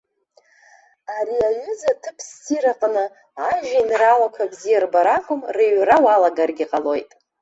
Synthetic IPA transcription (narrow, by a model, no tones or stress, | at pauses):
aɾiaɥʏzatʰɨpʰstʰiɾaqʼnɨ | aʒainralakʷʰabzijarbaɾaqʰʷʼʊmreɥrawalaɡarɡʲiqʼalo̞jtʼ